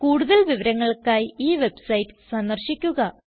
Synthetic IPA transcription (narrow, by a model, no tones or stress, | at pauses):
kuːɽuðɐlʋiʋɐɾɐŋːɐɭkaːjiːʋe̞bsɐjtːɨ̥sɐnd̪ɐrɕikʲːuɣɐ